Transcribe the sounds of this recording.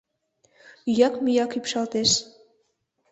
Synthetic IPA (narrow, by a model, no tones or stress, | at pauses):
yjɑkmyjɑkypʃɑlt̪eʃ